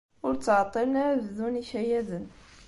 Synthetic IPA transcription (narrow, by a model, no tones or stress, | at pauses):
ʊɾt͡sːʕt̪ˤːiɾnaɾððuniʃæjæd̪ən